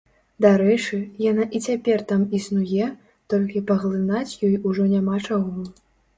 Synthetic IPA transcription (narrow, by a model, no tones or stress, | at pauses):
d̪aɾɛt͡ʂɨjanaʔit͡sʲapʲɛrt̪amisnujɛ | t̪ɔlʲkʲipɐɣlˠɨnat͡sʲjɔjuʐɔnʲamat͡ʂaɣɔ